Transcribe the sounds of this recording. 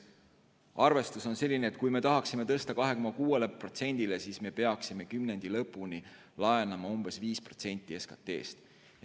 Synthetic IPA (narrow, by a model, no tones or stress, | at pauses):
ɑrve̞st̪uso̞nse̞lʲːineːt̪̚ˑkujme̞t̪ɑɦɑksime̞t̪ɤst̪ɑkɑɦe̞komːɑkuːe̞lepro̞t̪se̞nʲd̪̥ile̞siːsme̞pe̞ɑksime̞kymne̞nd̪̥ilɤ̞pːˑuni | lɑje̞nɑmɑumb̥e̞sviːspro̞̥t̪se̞nʲt̪ːˑie̞skɑt̪ːe̞̰ːst̪